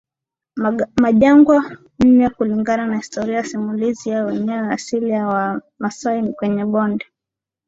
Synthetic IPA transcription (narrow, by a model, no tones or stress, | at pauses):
maʄaŋɡwa | m̩njakuliŋɡananahistɔɾiajasimulizijawɛɲɛwɛasiliawa | masainikwɛɲɛɓɔndɛ